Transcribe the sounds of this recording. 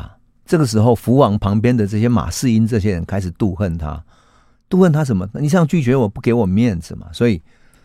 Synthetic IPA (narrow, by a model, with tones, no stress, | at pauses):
ʈ͡ʂɤ˥˩ɡə˩ʂ̬ɻ̩˧˥xo˥˧ʊfu˧˥wɑ˨˧˥ŋpʰɑ˧˥ŋpjɛ˥˦nd̪ə˨ʈ͡ʂɤ˥˩ɕ̬jɛ˥ma̰˨˩ʂɻ̩˥˧i˦˥nʈ͡ʂɤ˥˩ɕjɛ˦˥ɻə˧˦nkʰa˥ɪʂ̬̩˨˩t̪u˥˧xə˥˩nt̪ʰa̰˦ | t̪u˥˧xə˥˨nt̪ʰa˥ʂ̬ə˨˦nmə˧ni˨˩ɕ̬jɑ˥˧ŋt͡ɕy˥˩t͡ɕɥɛ˧˥wɔ˨˩pu˥˩ke˧˥ɪwɔ˨˩mjɛ˥˨nd͡zɹ̩˨˩ma̰˩swɔ˧˥i˨˩